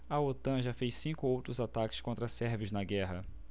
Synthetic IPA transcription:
ɐot̪ɐ̃ʒafejssĩkʊowt̪ɾʊzat̪akɪ̥skõnt̪ɾɐsɛɾvɪznɐɡɛɦɐ

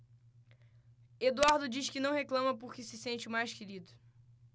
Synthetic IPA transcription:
ed̪uaɾd̪ʊd͡ʒiʃkɪnɐ̃w̃heklɐ̃mɐpoɾkɪsɪsẽnt͡ʃɪʊmajʃkeɾid̪ʊ

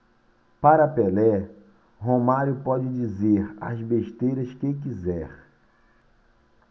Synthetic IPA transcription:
paɾɐpelɛ | ɦomaɾjʊpɔd͡ʒɪd͡ʒizeɾɐ̰zbeʃt̪ejɾɐskek̬izɛɾ

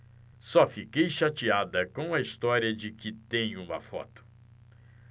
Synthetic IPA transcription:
sɔfikejʃat͡ʃiad̪ɐkõw̃ɐist̪ɔɾiɐd͡ʒɪkɪt̪ẽj̃ũmɐ̰fɔ̰t̪ʊ̥

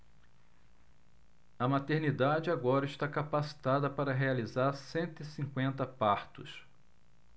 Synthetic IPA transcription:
ɐmat̪eɾnid̪ad͡ʒɪaɡɔɾɐɪʃt̪akapasi̥t̪ad̪ɐpaɾɐɦealizaɾsẽnt̪ʊisĩkwẽnt̪ɐpaɾt̪ʊ̰s

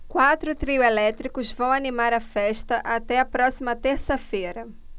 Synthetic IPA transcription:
kwat̪ɾʊt̪ɾiʊelɛt̪ɾikʊzvɐ̃w̃animaɾɐfɛʃt̪ɐʔat̪ɛɐpɾɔsimɐt̪eɾsɐfeɾɐ

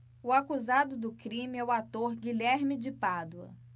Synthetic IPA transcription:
ʊakuzad̪ʊd̪ʊkɾĩmɪɛʊat̪oɾɡilɛɾmɪd͡ʒɪpad̪uɐ̰

